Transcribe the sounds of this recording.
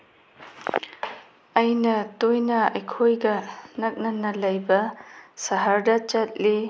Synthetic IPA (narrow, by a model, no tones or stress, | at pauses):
ɐjnɐtojnɐɐjkʰojɡɐnɐk̚nɐnɐlɐjbɐsɐɦɐɾdɐt͡ʃɐt̚li